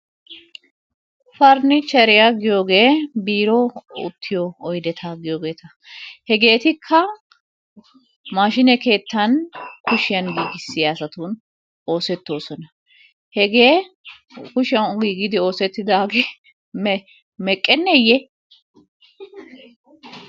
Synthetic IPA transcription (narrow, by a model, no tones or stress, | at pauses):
fɐɾnɪt͡ʃɛɾɪjaɡɪjo̞ːɡe̞ːbiːɾɔʊ̰t̪ʰːɪjɔɔjd̪ɛt̪ʰaɡɪjo̞ːɡe̞ːt̪ʰɐ | hɛɡe̞ːt̪ɪkʰːɐ | maːʃɪnɛke̞ːt̪ːɐnkʊʃɪjɐnɡiːɡɪsːɪjasɐt̪uːn | o̞ːsɛt̪ːo̞ːsɔnɐ | hɛɡe̞ː | kʊʃɪɐwɡiːɡɪd̪ɪo̞ːsɛt̪ːɪd̪aːɡeː | mɛ | mɛkʼːɛnːɛjɛ